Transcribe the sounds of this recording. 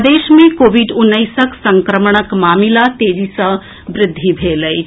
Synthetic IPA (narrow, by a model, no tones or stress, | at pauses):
d̪eːʃmẽkoːbiɖʊnːəjsəksəŋkɾəmɳ̃əkmaːmilat̪eːd͡ʒisə̃ | bɾɪd̪ʱːibʱeləj